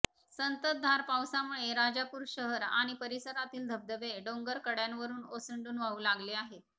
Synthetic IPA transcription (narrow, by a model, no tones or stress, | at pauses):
sənt̪ət̪̚d̪ʱaɾpawsamuɭeɾad͡zapuːɾɕəɦəɾa̰ɽ̃ipəɾisəɾat̪iːld̪ʱəb̚d̪əʋeɖoŋɡəɾkəɽjanʋəɾuːnosəɳɖuːnʋauːlaɡleaɦe